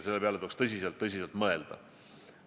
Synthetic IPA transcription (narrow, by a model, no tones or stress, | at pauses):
se̞lːe̞peɑleuːkst̪ɤs̬ʲiselt̪ːɤsiselt̪mɤe̞ld̪̥ɑ̰